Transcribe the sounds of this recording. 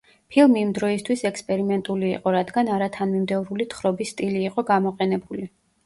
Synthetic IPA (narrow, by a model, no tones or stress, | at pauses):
pʰilˠmiːmd̪ɾɔist̪ʰwisɛkspʼɛɾimɛnt̪ʼuliːqʼɔɾad̪ɡanaɾat̪ʰanmimd̪ɛvɾulit̪ʰχɾɔbisːt̪ʼiliːqʼɔɡamɔqʼɛnɛbuli